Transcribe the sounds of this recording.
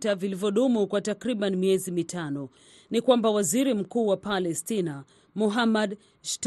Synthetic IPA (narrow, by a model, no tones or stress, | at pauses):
tavilivjɔɗumukwatakɾiɓanimiɛzimitʰanɔ | nikwambawaziɾim̩kuːwapalɛstina | muɦamad | ʃt